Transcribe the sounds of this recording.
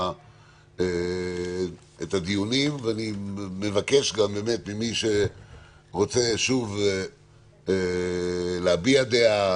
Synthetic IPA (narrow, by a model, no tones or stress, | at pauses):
e | et̪ad̪ijunimveanimevake̞ʃɡambe̞me̞t̪mimiʃe̞ | ʁo̞t͡se̞ʃuv | leabiad̪ea